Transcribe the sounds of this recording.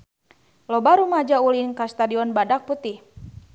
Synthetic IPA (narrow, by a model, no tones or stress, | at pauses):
lɔbaɾumad͡ʒaulinkast̪adiɔnbadak̚put̪ih